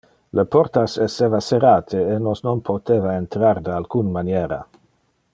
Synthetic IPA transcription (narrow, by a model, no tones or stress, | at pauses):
leport̪asesevaseɾaːt̪ʰeenosnonpʰot̪eːvaent̪ɾard̪ealkunmanjeːɾa